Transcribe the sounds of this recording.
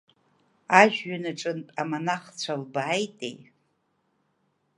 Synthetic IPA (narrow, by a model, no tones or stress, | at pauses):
aʒᶣɥanaʈ͡ʂʼɨntʼamanaχt͡ɕʷʰalbaːjtʼḛj